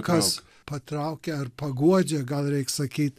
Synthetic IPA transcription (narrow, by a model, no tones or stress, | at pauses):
kʰɐs | pʰɐt̪ɾaːwkeɐɾpʰɐɡuɐd͡ʒɐɡɐlɾeːksɐkʰiːt̪